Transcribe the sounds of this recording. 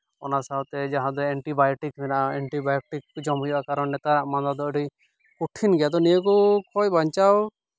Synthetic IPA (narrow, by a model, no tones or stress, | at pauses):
ɔ̰nasawt̪ɛd͡ʒaɦãd̪ɔɛɳʈibajɔʈikmɛnaʔaɛɳʈibajɔʈikːd͡ʒɔmɦɔjɔʔakaɾɔnnɛt̪aɾaʔmand̪ad̪ɔɽi | kuʈʰinɡɛjad̪ɔnijɔkɔkʰɔjbaɲt͡ʃaw